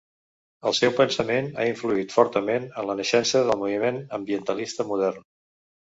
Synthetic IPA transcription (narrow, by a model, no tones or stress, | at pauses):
əlˠsɛwpənsəmena̰iɱfluit̪fɔɾt̪əmenənlənəʃɛnsəðəlˠmuβimenəmbiənt̪əlist̪əmuðɛrn